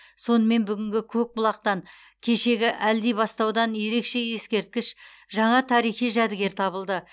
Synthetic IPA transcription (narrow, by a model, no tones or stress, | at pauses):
so̞nəme̞nbʏɡʲɪŋɡʲɪkʲʰɵk̚bʊlˠɑq̚t̪ɑŋ | kʲʰe̞ʃe̞ɡʲɪʔæld̪ejbɑst̪ɑwd̪ɑnje̞ɾe̞kʃe̞je̞skʲe̞ɾt̪̚kʲɪʃ | ʒɑɴɑt̪ʰɑɾijχijʒæd̪ɪɡʲe̞ɾt̪ʰɑβəlˠd̪ə